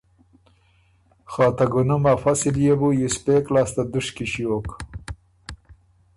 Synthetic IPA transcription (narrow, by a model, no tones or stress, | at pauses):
xɑːt̪aɡunɐmafasiljebujuspeːklaːst̪ad̪uʂkiɕjoːk